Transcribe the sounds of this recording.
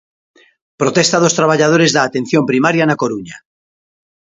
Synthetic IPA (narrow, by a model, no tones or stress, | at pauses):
pɾot̪est̪aðost̪ɾaβ̞aʎaðoɾezðaːt̪en̟θjompɾimaɾjanakoɾuɲa